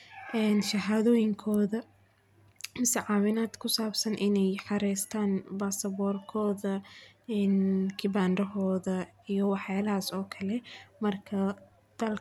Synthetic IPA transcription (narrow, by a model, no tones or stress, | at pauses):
ʔɛːnʃɐɦaːðɔːjɪŋkʰɔːðɐ | mɪsɛʕɑːwɪnaːd̪kʰʊsaːbsɐnʔɪnɛjħɑɾɛːst̪ʰaːnbaːsɐβɔːrkʰɔːðɐɛːnkʰɪbaːndɐɦɔːðɐ | ijɞwɑħjaːlɐɦaːsɔːkʰɐlɛmɐrkʰɐ | d̪̥ɐl